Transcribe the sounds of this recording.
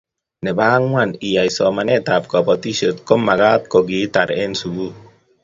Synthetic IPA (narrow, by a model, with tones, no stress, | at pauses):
nɛ˨ba˦ŋwani˨ja˨jsɔ˨manɛ˦t̪ap̚kɔ˨pɔt̪i˦sot̪kɔ˦mːa˨ɡa˦t̪̚kɔɡi˨˦t̪aɾe˦nsuɡu